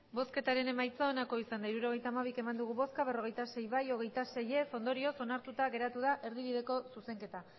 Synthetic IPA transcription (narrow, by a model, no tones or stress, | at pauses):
bo̞ske̞t̪aɾe̞ne̞majt͡saonako̞isand̪aiɾuɾo̞ɣ̞e̞jt̪aːmaβ̞ike̞mand̪uɣ̞uβo̞skaβ̞e̞ro̞ɣ̞e̞jt̪ase̞jβajo̞ɣ̞e̞jt̪ase̞je̞fo̞nd̪o̞ɾio̞so̞naɾt̪ut̪aɣe̞ɾat̪uð̞aʔe̞ɾðiβ̞iðe̞ko̞suse̞ŋke̞t̪a